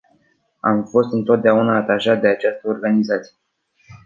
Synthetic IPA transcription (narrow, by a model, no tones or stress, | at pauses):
a̰mfo̞st̪ɨnt̪o̞t̪̚d̪eaunaːt̪aʒat̪̚d̪e̞at͡ʃast̪əo̞rɡanizat̪si̥je